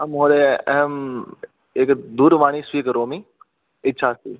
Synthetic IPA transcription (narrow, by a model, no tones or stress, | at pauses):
ɐmɦoːɗeɛ̰ɦəm | ɪkd̪uːɾʋaːɳ̃isʋiːkɾoːmi | ɪt͡ʃʰaːsiː